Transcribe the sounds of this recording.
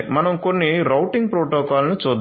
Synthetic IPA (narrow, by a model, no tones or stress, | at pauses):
mɐnɐmkonːiɾɐwʈiŋɡ̚pɾɔːʈɔːkaːlnut͡ʃuːd̪